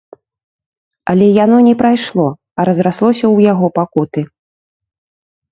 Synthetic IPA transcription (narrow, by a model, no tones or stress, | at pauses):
ɐ̰lʲɛjanɔnʲɛpɾajʂlˠɔ | ɐɾɐzɾaslˠɔsʲɐwjaɣɔpakut̪ɨ